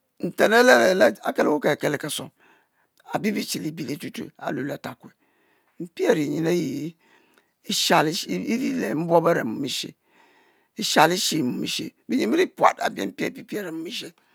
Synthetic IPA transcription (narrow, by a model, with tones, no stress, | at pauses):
n̩˨te˨ne˦le˦le˨la˦a˨ke˦le˦wo˦ke˨ke˦le˨ka˨so̰˨ | a̰˨bi˦bi˦t͡ʃi˨li˦bi˨li˦tu˦tṵ˨a̰˨lo˨la˨ta˨kwe˨ | m̩˦pi˦e˨ɾi˨ɲi˨ne˦ji˨˦ | i˦ʃa˨li˦i˦ɾi˦le˨m̩˦bo˦be˦ɾḛ˨mu˨mi˦ʃḛ˨ | i˦ʃa˨li˦ʃi˨mu˨mḭ˦ʃḛ˨bi˦ɲi˦i˦ɾi˦pʷa̰˨ta̰˨bi˦ḛ˦m̩˦pi˦ḛ˨pi˨pi˦e˦ɾe˨mu˦mi˦ʃe˦